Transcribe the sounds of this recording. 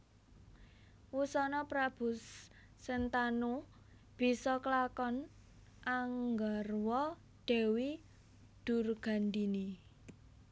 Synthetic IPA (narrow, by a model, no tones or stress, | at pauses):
wusɔnɔpɾab̥ʊ̤sː | ənt̪anu | b̥i̤sɔklakɔn | ʔaŋɡarwɔ | ɖ̥ɛ̤wi | d̪̥ṳrɡ̥a̤nd̪ini